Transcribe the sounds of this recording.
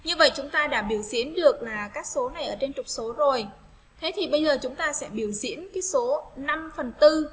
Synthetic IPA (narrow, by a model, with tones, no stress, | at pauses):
ɲɨ˧və̰˧˨jt͡ɕʊ˨˦ŋ͡mt̪aː˧ɗa̰ː˧˩ɓi˧˩əwzḭ˧˥ənɗɨ˨˩ək̚laː˨˩kaː˦˥k̚so˨˦na˨˩jʔəː˧˩t͡ɕe˧nt͡ɕʊ˨˩k͡p̚so˨˦zo˨˩j | t̪ʰe˨˦t̪ʰi˨˩ɓə˧jzəː˨˩t͡ɕʊ˨˦ŋ͡mt̪aː˧sɛ̰˧˥ɓi˧˩əwzḭ˧˥ənkaː˨˦jso˨˦na˧mfə˨˩nt̪ɨ˧